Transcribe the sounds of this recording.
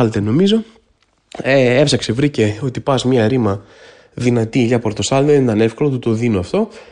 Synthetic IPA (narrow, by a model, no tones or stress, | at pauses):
ɐlt̪eno̞mizo̞ | eefsɐkse̞vɾice̞o̞t̪ipɐzmɐɾimɐ | ðinɐt̪iʝɐpo̞ɾt̪o̞sɐld̪eðnit̪ɐne̞fkolot̪ut̪o̞ðinoɐft̪o̞